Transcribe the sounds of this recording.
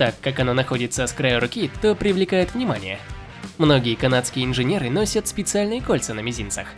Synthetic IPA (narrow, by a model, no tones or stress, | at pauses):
t̪akːakɐnonɐxo̞dʲɪt̪səskɾajʊɾʊkʲit̪opɾʲɪvlʲɪkajɪt̪vnʲɪmanʲɪjə̰ | mno̞ɡʲɪjəkɐnat̪skʲɪjəɪnʐɨnʲeɾɨno̞sʲət̪spʲɪt̪sɨalʲnɨjəkolʲt̪sɨnəmʲɪzʲint̪sə̰x